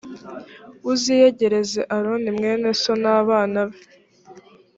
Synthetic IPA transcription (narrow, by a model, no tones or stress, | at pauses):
uzijeɟe̞ɾe̞ze̞ʔaɾonimŋe̞ːne̞so̞naːβaːnaβe